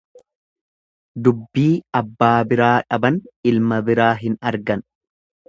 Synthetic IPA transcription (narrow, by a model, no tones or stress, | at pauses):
d̪ʊbːiːɐbːaːbɪɾaːᶑɐbɐnɪlmɐbɪɾaːɦɪnɐɾɡɐn